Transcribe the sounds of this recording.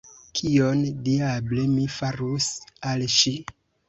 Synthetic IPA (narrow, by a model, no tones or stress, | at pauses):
kʰiondiablemifaɾusalʃi